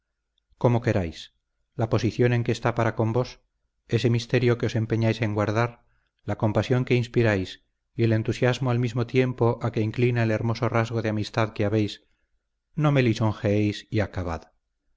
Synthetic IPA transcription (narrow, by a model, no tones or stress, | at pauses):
ko̞mo̞ke̞ɾajs | lapo̞siθjo̞ne̞ŋke̞ːst̪apaɾako̞mbo̞s | e̞se̞mist̪e̞ɾjo̞keo̞se̞mpe̞ɲajse̞ŋɡwaɾðaɾ | lako̞mpasjo̞ŋke̞inspiɾajs | ie̞le̞nt̪usjazmoalmizmo̞t̪je̞mpo̞ʔake̞iŋklinaele̞ɾmo̞so̞razɣo̞ðeamist̪aðke̞aβe̞js | no̞me̞liso̞ŋxeejsiakaβ̞a̰ð